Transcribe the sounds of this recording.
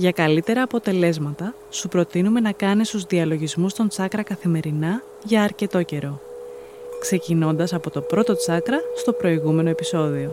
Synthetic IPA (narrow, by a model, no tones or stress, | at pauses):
ʝɐkɐlit̪e̞ɾɐːpo̞t̪e̞le̞zmɐt̪ɐ | supɾo̞t̪inume̞nɐkɐnest̪uzðiɐlo̞ʝizmust̪o̞nt͡sɐkɾɐkɐθime̞ɾinɐ | ʝɐːɾce̞t̪o̞ce̞ɾo̞ | kse̞cino̞nd̪ɐsɐpo̞t̪o̞pɾo̞t̪o̞t͡sɐkɾɐst̪o̞pɾo̞iɣume̞no̞episo̞ðio̞